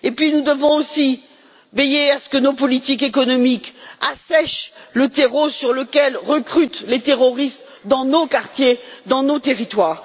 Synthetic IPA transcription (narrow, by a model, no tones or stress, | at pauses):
epɥinud̪əvɔ̃osi | vejeasə̥kənopɔlit̪ikekɔnɔmikasɛʃlət̪eʁosyʁləkʲɛlʁəkχyt̪let̪eʁɔʁist̪ | d̪ɑ̃nokaʁt̪jed̪ɑ̃not̪eʁit̪waːʁ